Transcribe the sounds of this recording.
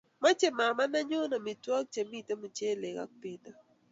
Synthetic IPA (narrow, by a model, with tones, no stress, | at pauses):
ma˦t͡ʃe˦ma˨ma˦na˦ɲʊ˦na˨mɪ˨twɔ˦k̚t͡ʃe˨mi˦˨te˦mu˨t͡ʃe˦˨le˨ka̰˦k̚pɪ˦na˦